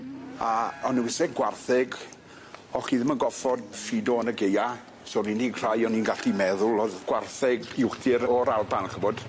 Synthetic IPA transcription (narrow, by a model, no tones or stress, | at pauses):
aɔnəwɪsɛɡɡwarθɛɡ | ɔɬiðmənɡɔfɔdfidɔənəɡeja | soninikʰr̥ajɔniːnɡaɬimɛðʊlˠɔðɡ̥warθɛɡɪwdʰɪɾɔɾalˠbanɬəbɔd̥